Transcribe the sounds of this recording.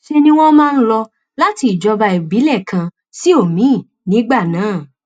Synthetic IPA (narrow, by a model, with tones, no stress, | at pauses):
ʃe˧nĩ˦w̃ɔ̃˦mãː˦˧n̩˦lɔ˧ | la˦ti˧i˨d͡ʒɔ˧ba˧i˨bi˨˦lɛ˦˨kã˧ | si˦o˦˨mĩ˨˦˨ | nĩ˨˦ɡ͡ba˦˨nãː˨˦˨